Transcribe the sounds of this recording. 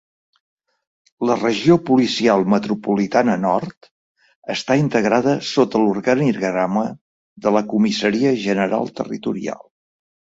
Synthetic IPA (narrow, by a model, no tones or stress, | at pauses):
lərəʒiopulisialˠmət̪ɾupulit̪anənɔɾt̪ | əst̪aint̪əɣɾaðəsot̪əluɾɣaniɾɣɾamə | ðələkumisəɾiəʒənəɾa̰lˠt̪ə̰rḭt̪uɾia̰lˠ